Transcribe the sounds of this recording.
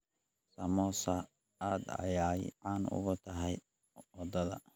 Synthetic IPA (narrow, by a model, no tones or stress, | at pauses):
sɐmɔsɐ | aːd̪ɐ̰jaːjʕaːnʊ̰ɣʊt̪ʰɐɦɛj | wɑd̪ɐðɐ̰